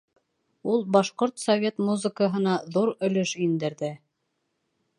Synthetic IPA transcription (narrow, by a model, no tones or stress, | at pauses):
ulˠbɑʃqoɾt̪sɐvʲe̞t̪muzə̆kəɦɤ̆nɑðuɾɵ̆lɵʃind̪ɘ̆ɾðɘ